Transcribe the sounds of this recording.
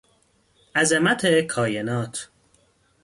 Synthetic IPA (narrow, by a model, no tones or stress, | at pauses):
æzemæt̪ʰekʰɒːjenɒːt̪ʰ